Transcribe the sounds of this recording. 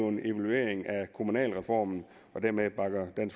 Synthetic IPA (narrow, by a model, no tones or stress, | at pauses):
ʊene̝ʋælue̝̰ːɐe̝ŋækʰomunɛ̰ːlʁɛfɒ̰ːmn̩ | ɒ̽d̥æɐmeb̥ɑ̈ɡ̥ɐd̥æns